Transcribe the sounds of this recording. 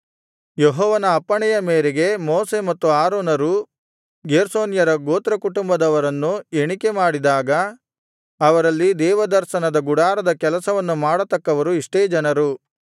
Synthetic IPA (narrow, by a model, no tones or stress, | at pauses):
jeɦɔːʋɐnɐːpːɐɳɛjɐmeːɾeɡe̞moːse̞mɐt̪ːuaːɾoːnɐɾu | ɡeːɾsoːnjɐɾɐɡoːt̪ɾɐkuʈumbɐd̪ɐʋɐɾɐnːueɳike̞maːɽid̪aːɡɐ | ɐʋɐɾɐlːid̪ɛːʋɐd̪ɐɾʃɐnɐd̪ɐɡuɽaːɾɐd̪ɐkɛlɐsɐʋɐnːumaːɽɐt̪ɐkːɐʋɐɾuiʂʈeːd͡ʒɐnɐɾu